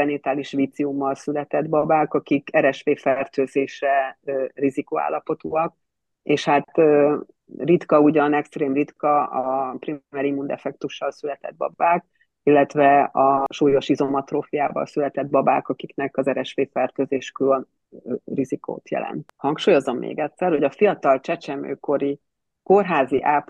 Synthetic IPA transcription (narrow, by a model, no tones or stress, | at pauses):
ɛnit̪aːliʃʋiːt̪siumːɒlsylɛt̪ɛd̪bɒbaːkɒkikɛɾɛʃfeːfɛrt̪øːzeːʃɛrizikoːa̰ːlːɒpo̞t̪uːɒk̚ | eːʃhat̪ø | rit̪kɒuɟɒnɛkst̪ɾeːmrit̪kɒɒpriɛɾimund̪ɛ̰fɛk̚t̪uʃːɒlsylɛt̪ɛ̰d̪̚bɒ̰baːk̚ | ilːɛt̪ʋɛɒʃuːjo̞ʃizo̞mɒt̪roːfijaːvɒ̰lsylɛt̪ɛd̪̚bɒba̰ːkɒkiknɛkɒzɛɾɛʃfeːfɛrt̪øzeːʃkø | riziko̰ːt̪jɛ̰lɛ̰nt̪hɒŋkʃuːjo̞zomːʔḛːɡɛt̪sɛrho̞ɟɒfijɒt̪ɒlt͡ʃɛt͡ʃɛmø̰ːko̞ɾi | ko̞rɦaːziʔaːp